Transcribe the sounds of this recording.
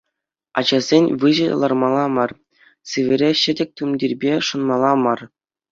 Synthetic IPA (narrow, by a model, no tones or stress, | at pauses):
ɑ̰d͡ʑɑzʲenʲʋɯʑɤ̰̆lˠɑrmɑlˠɑmɑr | sɯʋʲɘ̆ɾʲeɕɘ̆dʲɘ̆k̚ʲt̪umʲdʲirʲbʲeʂŭnmɑlˠɑmɑr